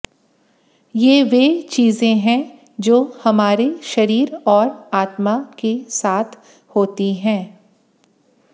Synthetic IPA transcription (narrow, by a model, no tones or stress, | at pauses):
jeːʋeːt͡ʃiːzẽɦɛ̃ | d͡ʒoːhɐmaːɾeʃɐɾiːɾɔːɾaːt̪makesaːt̪ʰ | hoːt̪iɦɛ̃ː